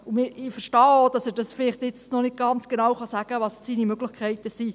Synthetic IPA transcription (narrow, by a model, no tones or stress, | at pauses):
ʊmɪɪfəɾʃtɑːod̥ɑsɛɾd̥ɑsfɪlɪχtɪt͡snɔnɪt̚ɡ̥ɑnt͡sɡ̥enɑwχɑsæɡ̥əʋɑssiːnimøɡ̥lɪχkʰæɪtəsi